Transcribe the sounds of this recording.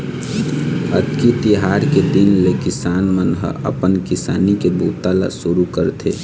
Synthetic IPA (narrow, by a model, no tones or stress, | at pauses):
əd̪kit̪ɪɦaːɾked̪ɪnlekɪsaːnmənɦə̰ə̰pənkɪsaːnikebuːt̪ala̰sʊɾukəɾt̪ʰḛ